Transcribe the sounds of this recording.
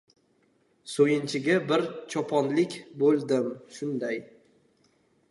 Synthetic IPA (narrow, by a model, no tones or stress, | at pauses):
sojɪnt͡ʃʰɪɡʲabɪɾt͡ʃʰɒpʰɒnlɪkʲbolˠd̪ɪmʃʊnd̪aj